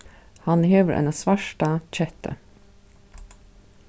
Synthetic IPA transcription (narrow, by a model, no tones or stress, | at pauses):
hɑnheːʋəɾʔɛ̰nasʋɑʂʈɑc͡çɛt̪ʰə̰